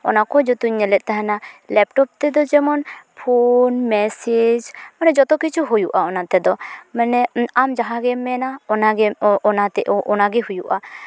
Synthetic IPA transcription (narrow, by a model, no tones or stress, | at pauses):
ɔnakɔd͡ʒɔt̪uɲːɛlɛʔ̚ˀt̪aɦanalɛpʈɔp̚t̪ɛd̪ɔd͡ʒɛmɔnpʰonmɛsed͡ʒmanɛd͡ʒɔt̪ɔkit͡ʃʰuɦujuʔaɔnat̪ɛd̪ɔmanɛamd͡ʒaɦaɡɛmɛnaɔnaɡɛɔnat̪ɛʔɔʔɔnaɡɛɦujuʔa̰